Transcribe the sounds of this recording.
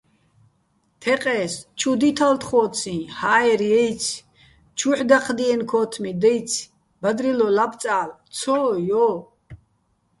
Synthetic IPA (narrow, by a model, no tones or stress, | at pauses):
t̪ʰɛqʼɛst͡ʃʰud̪it̪ʰalt̪ʰχɔːt͡sʰĩhaːɛɾjɛjt͡sʰ | t͡ʃʰuħd̪aqʰd̪iɛnkʰɔːt̪ʰmid̪ɛjt͡sʰ | bad̪ɾilɔlapʰt͡sʼaːlt͡sʰɔːjɔ